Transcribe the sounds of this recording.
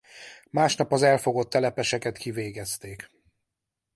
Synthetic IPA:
maːʃnɒpɒzɛlfoɡo̞t̪ːɛlɛpɛʃɛkɛt̪kiveːɡɛst̪eːk

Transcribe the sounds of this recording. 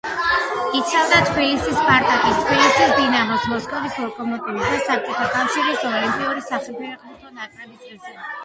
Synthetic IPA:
it̪sʰavd̪at̪ʰbilisispʼaɾt̪ʼak̪ʼist̪ʰbilisisd̪inamɔsmɔskʼɔvislɔkʼɔmɔt̪ʼivisd̪asap̚tt͡ʃ̪ʼɔt̪ʰakʼafʃiɾisɔlimpʼiuɾisaχɛlpʰɛɛqʼmɔt̪ʰɔnakʼɾɛbisʼɛsi

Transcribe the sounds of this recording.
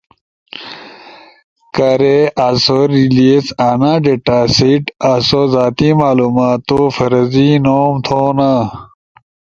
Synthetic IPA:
kɐɾeʔasoɾiliesaːnãːɖeʈaːsiʈasozaːt̪imaːluːmaːt̪ofɐɾɐzinoːmt̪ʰoːna

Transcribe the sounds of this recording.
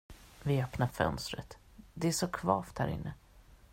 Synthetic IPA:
vɪœpnaɾfœ̰nst̪ɾə̰t̪ | d̪ɛæʂɔkʰvɑːft̪hæ̰ːɾɪ̰nːə

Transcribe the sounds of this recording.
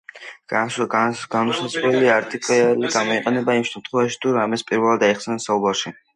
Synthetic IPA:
ɡ̥anusazʁlɛliaɾt̪ʼikʼaliɡamɔiqʼɛnɛbaimʃɛmt̪ʰχwɛvaʃi̥t̪ʰuɾamɛspʼiɾvɛlˠad̪aiχsɛnsaubaɾʃi

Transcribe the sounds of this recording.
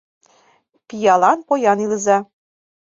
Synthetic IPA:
pijɑlˠɑnpojɑnilɤ̆zɑ

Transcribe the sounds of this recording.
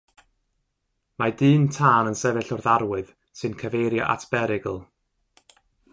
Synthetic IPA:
madɨːntʰaːnənsɛvɨɬɔrðaɾwɨð | sɨnkʰəvejɾjaʔa̰tʰb̥ɛɾɪɡəlˠ

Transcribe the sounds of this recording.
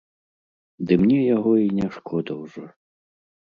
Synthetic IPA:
d̪ɨmnʲɛjaɣɔinʲaʂkʰɔd̪ɐwʐɔ

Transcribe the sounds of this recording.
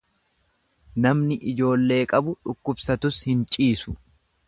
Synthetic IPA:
nɐmnɪʔɪd͡ʒo̞ːlːe̞ːkʼɐbʊᶑʊkːʊbsɐt̪ʊshɪnt͡ʃʼiːsʊ̥

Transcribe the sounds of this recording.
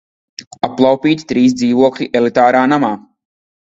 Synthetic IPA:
apːlˠawpʲiːt̪t̪ɾiːsd̪ziːvuɔklʲiʔɛlˠit̪aːɾaːnamaː

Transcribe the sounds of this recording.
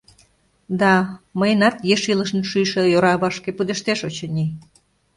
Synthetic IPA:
d̪ɑməjənɑt̪jeʃiləʃnʃyjʃĕjoɾɑβɑʃkepud̪eʃt̪eʃot͡ɕə̆nʲi

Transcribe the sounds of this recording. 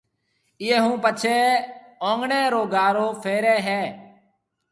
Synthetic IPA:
ɪeːɦũːpət͡ʃʰeː | õːŋɡɳeːɾoːɡaːɾoːfʰeːɾɛːɦɛː

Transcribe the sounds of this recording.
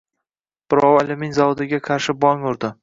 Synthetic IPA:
b̥ɪɾɒwɪlɪmɪŋzawʊd̪ɪɡʲaqʰɑɾʃɪbɒŋʊɾd̪ɪ

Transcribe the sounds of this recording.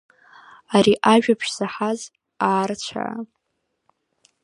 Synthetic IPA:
aɾiʔaʒᶣapʰʃz̥aħaz | aːrt͡ɕʷʰa̰ʕa̰

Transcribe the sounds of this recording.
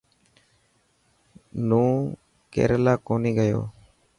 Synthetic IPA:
lũː | kḛɾlaːkoːniːɡəjo̰ː

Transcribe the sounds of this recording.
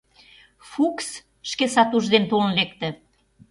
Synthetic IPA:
fuks | ʃkesɑt̪uʒd̪ent̪olnlek̚t̪ə̆

